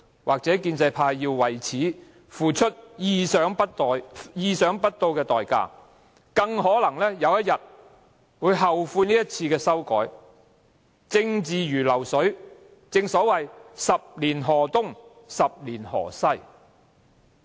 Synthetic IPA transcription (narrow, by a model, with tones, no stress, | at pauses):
wʔaː˨k̚t͡sɛː˨˥kiː˧nt͡sɐ˧jpʰaː˧jːiː˧wwɐ˨˩jt͡sʰiː˨˥ | fuː˨˩t͡ʃʰɵ˥t̚jiː˧sœː˨˥ŋpɐ˥t̪ːjjiː˧sœː˨˥ŋpɐ˥t̚t̪o˧wkɛː˧t̪ɔː˨jka̰ː˧ | kɐ˧ŋɦɔː˨˥lɐ˨˩ŋlɛː˥jɐ˨˧wjɐ˥t̚jɐ˨t̚ | wuː˨˧jɦɐ˨˩wfuː˧niː˥jɐ˥t̚t͡sʰiː˧kɛː˧sɐ˥wkɔ̰ː˨˥j | t͡sɪ˧ŋt͡siː˨jyː˨˩lɐ˨˩wsɵ˨˥ɥ | t͡sɪ˧ŋsɔː˨˥wɐ˨jsɐ˨p̚liː˨˩nɦɔː˨˩t̪ʊ˥ŋ | sɐ˨p̚liː˨˩nhɔ̰ː˨˩sɐ˥j